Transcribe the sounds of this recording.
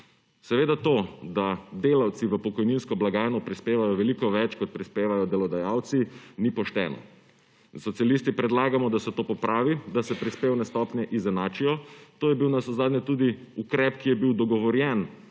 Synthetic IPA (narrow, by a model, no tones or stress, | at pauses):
sɛʋeːd̪at̪oːd̪ad̪eːlawt̪siʋəpɔkɔjninskɔblaɡaːjnɔpɾispeːʋajɔʋɛlikɔʋɛt͡ʃkɔt̪̚pɾispeːʋajɔd̪ɛlɔd̪ajaːwt̪sinipɔʃt̪ɛ̰ːnɔ̰ | sɔt̪sijalist̪ipɾɛd̪laːɡamɔd̪asɛt̪oːpɔpɾʔaːʋid̪asɛpɾispeːwnɛst̪ɔːpnjɛʔizɛnaːt͡ʃijɔt̪oːjɛbiwnasɔzaːd̪nʲɛt̪uːd̪iukɾɛpkijɛbiwd̪ɔɡɔʋɔɾjɛn